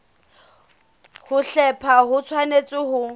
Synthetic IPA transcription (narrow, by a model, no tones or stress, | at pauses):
hʊɬɛpʰaɦʊt͡sʰwanet͡sʼɪɦʊ